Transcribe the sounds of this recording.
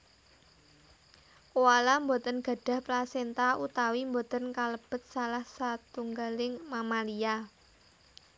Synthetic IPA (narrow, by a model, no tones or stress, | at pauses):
kuwalambot̪ənɡ̥a̤ɖ̥ä̤hplasent̪aut̪awimbot̪ənkaləb̥ə̤t̪̚salahsat̪uŋɡalɪŋmamalia